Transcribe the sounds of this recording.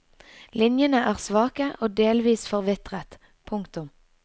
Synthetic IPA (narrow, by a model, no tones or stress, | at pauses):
lɪnjənəʔæːʁsʋɑːkəʔoːd̪eːlʋiːsfɔʁʋɪt̪ʁət̪ | pʰʊŋkt̪ʊm